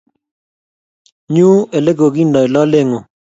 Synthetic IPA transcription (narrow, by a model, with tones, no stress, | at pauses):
ɲu˦e˨le˦ɡo˨ɡi˦ndɔ˨i˨lɔ˦le˦ŋo˨